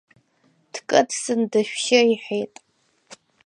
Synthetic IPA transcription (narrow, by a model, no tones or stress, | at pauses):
d̥kʼɨdsɨndɨʃᶣʃɪiħejtʼ